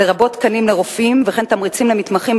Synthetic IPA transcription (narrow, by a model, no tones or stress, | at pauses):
eʁabo̞t̪kanimleʁofimveχent̪amʁit͡simlemit̪maχim